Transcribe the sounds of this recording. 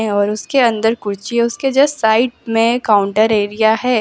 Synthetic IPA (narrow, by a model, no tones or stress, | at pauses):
ẽɔːɾʊskeɐ̃nd̪əɾkʊɾt͡ʃieʊsked͡ʒɛsaːɪʈmẽkaʊ̃ɳʈəɾeːɾijaɦɛː